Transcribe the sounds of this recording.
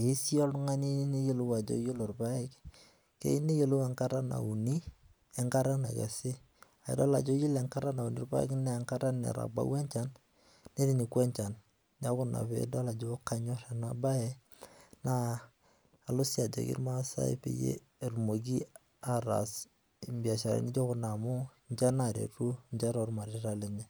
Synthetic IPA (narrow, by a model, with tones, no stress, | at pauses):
i˦si˦ɔ˦lʊ˦ŋa˦ni˦ni˦je˦lu˦wa˨d͡ʒo̰˦ji˦lo˨ɾpa˦ɪ˦k | kḛ˦i˦ni˦je˦˨lu˦ɛ˨ŋka˦ɾa˦na̰˨u˨ni˦ | ɛ˨ŋka˦ɾa˦na˨kɛ̰˨sɪ˦ | a˨ḭ˨dɔ˦la˨d͡ʒo˦ji˦lɛ˨ŋka˦ɾa˦na˨u˨ni˨˦ɾba̰˦ɪ̰˦knɛ˦˨ŋka˦ɾa˦nɛ̰˨ɾa̰˨ba̰˦wɛ˦nt͡ʃa˦n | ne˦ɾi˨ni˨kwɛ˦nt͡ʃa˨n | na˦kʊ˦na̰˨pḛ˦da˦la˨d͡ʒo˦ka˦ɲɔ˦ɾa˨na˦ba˦ɛ˦ | naː˦˨ | lʊ˦sja˨d͡ʒḛ˨kḭ˦ɾma˦sa̰˦ḭ˦pḛ˨jḛ˦˨ | ɾmo˨ɡi˦ | a˨ɾa̰˨s | i˨mbja˨ʃa˨ɾa̰˨ni˦d͡ʒo˦kʊ˦na˨mʊ˦ | ɲt͡ʃa˦na˨ɾḛ˨ɾu˦ɲd͡ʒa˦ɾɔ˦ɾma˨ɾe˨ɾa˦le˨ɲɛ˨